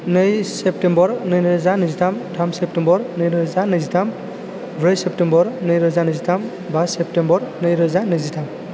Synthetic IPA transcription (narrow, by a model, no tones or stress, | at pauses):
nɯjsep̚tembɔɾnɯjnɯɾɯzanɯzitʰamtʰamsep̚tembɔɾnɯjɾɯzanɯjzitʰam | bʱɾɯjsep̚tembɔɾnɯjɾɯzanɯzitʰam | basep̚tembɔɾnɯjɾɯzanɯjzitʰam